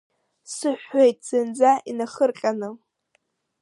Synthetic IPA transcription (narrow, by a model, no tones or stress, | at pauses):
sɨħʷːejtʼz̥ɨnd͡zaʔinaχərqʲʼanɨ